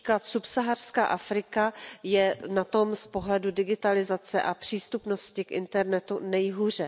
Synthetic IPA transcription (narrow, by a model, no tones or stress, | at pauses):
i̥klat̪supsaɦar̥ska̰ːʔafɾɪkajɛnat̪o̞mspo̞ɦlɛdudɪɡɪt̪alɪzat͡sɛʔapr̝̥iːst̪upno̞scɪkʔɪ̰nt̪ɛɾnɛt̪unɛjɦuːr̝ɛ